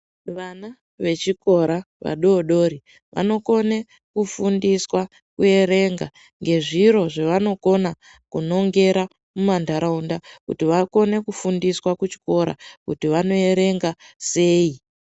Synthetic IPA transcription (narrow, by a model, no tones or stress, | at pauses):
ʋana | ʋe̞t͡ʃiko̞ɾa | ʋa̰ɗoːɗo̞ɾi | ʋa̰no̞ko̞ne | kufundiswa | kue̞ɾe̞ŋɡa | ŋɡe̞ʐiɾo̞ʐeʋano̞ko̞na | kuno̞ŋɡe̞ɾa | mumandʱaɾaundakṵtiʋako̞ne̞kufundiswakut͡ʃi̥ko̞ɾa̰kutiʋano̞e̞ɾe̞ŋɡase̞ːi